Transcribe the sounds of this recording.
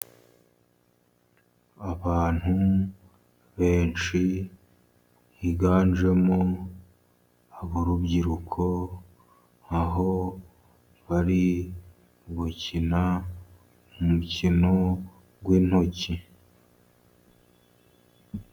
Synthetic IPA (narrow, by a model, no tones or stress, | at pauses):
aβaːn̥hu | βeːnt͡ʃi | jiɡaːnʒe̞mo | aβoɾubɟiɾukʰo̞ | aɦo̞ | βaɾi | βucina | mumucino̞ | ɡwiːn̥ho̞ci